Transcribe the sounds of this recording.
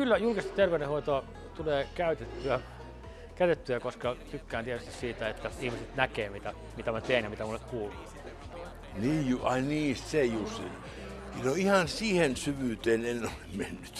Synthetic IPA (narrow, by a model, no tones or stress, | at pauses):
kylːæjulkist̪ɑt̪erʋeydẽhoit̪oɑ | t̪uleːkæyt̪et̪ːyæ | kæyt̪et̪ːyækoskɑt̪ykːæːnt̪iet̪yst̪issiːt̪æet̪ːæihmiset̪nækeːmit̪æ | mit̪æmæt̪eːnjɑmit̪æmulːekkuːlu | niːjuɑiniːst̪sejussin | noihɑnsiːhensyʋyːˑt̪eːnenolemmenːyt̪